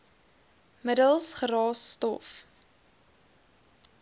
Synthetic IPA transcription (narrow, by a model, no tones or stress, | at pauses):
mədəlˠsχərɑːsːtɔf